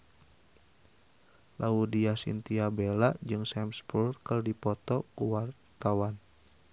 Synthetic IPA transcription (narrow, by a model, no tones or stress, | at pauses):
lʔaudiasḭnt̪iabelaʔd͡ʒɨŋsɛmspurrkərdipɔt̪ɔkuwar | t̪awan